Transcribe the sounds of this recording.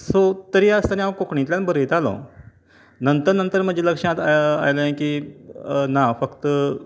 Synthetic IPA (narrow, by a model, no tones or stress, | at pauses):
sot̪əɾiːast̪aniakokɳĩt̪ljanbəɾet̪alõ̰ | nənt̪əɾnənt̪əɾm̤əd͡ʑeləkʂãt̪aa̰jlajẽkiː | nafəkt̪